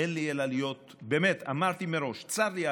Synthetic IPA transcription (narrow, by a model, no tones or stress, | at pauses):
enlielalijo̞t̪ | beːmet̪amaʁt̪imeɾo̞ʃt͡saɾlia